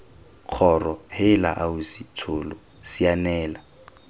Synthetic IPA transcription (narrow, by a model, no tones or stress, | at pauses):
q͡χʰɔrɔhɪla̰ʔaʊsitʰʊːlʊ | sianɛːla